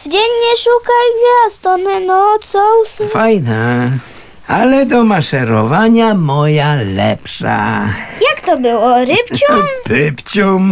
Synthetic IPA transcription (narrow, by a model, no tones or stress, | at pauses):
vd͡ʑɛɲɲɛʂukajvʲjast̪ɔnɛnɔt̪sɔwsfajna | alɛd̪ɔmaʂɛɾɔ̰vaɲamɔjalɛ̰pʂa̰jakt̪ɔbɘwɔɾɪpt͡ɕumpɪpt͡ɕum